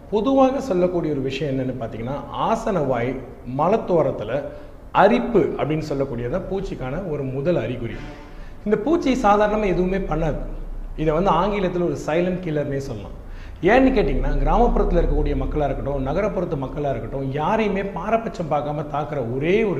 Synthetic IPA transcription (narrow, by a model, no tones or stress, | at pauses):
pɔðɯʋaːɣɐsɔlːɐkːuːɽɪiɐɔɾɯʋɪʂɐjɐ̃ɛnːɐnːɯpaːɾt̪iːŋɡɐnːaːʔaːsɐnɐʋaːj | mɐlɐt̪ːoːɾɐt̪ːɪlɐ | ɐɾɪpːɯɐpːɐɽɪnːɯsɔlːɐkːuːɽɪjɐt̪ãːpuːt͡ʃːikːaːnɐɔɾɯmʊðɐlɐɾɪkʊɾɪ̰ɯ̰ | ɪnd̪ɐpuːt͡ʃːisaːðaːɾɐɳɐmãːɛðɯʋɯmeːpɐɳːɐðɯɪðɐʋɐnd̪ɯaːŋɡɪɭɐt̪ːɪlɔɾɯsɐɪlɐnʈkɪlːɐɾmeːsɔlːɐlã̰ː | eːnːɯkːeːʈːɪŋɡɐnaːɡɪɾaːmɐpːɯɾɐt̪ːɯlɐɪɾɯkːɐkːuːɽɪjɐmɐkːɐɭɪɾɐkːɐʈːʊ̃nɐɣɐɾɐpːɔɾɐt̪ːɯmɐkːɐɭaɪɾɐkːɐʈːʊ̃jaːɾɐjɯmeːpaːɾɐpːɐt͡ʃːɐmpaːɾkaːmɐt̪aːkɪɾɐɔɾeːɔɾ